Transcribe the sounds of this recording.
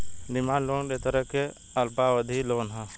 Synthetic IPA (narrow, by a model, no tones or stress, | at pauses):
dɪmaːnloːnɾet̪əɾəke | əlpawəd̪ʱiloːnɦɛ̃